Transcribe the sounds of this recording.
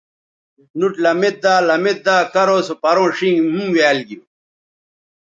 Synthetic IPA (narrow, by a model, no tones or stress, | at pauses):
nuʈlɐmet̪̚d̪aːlɐmet̪̚d̪aːkɐɾoːsopɐɾõːʂiŋɡmũŋweːlɡi